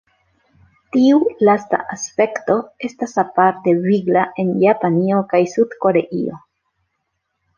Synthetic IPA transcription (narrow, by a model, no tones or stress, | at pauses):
tiulasta̰ʔaspe̞kto̞e̞stasapaɾte̞viɡlaʔe̞njapanio̞kajsudko̞ɾe̞ʔḭo̞̰